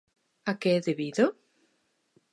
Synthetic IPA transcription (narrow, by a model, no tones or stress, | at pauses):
akeeðeβiðo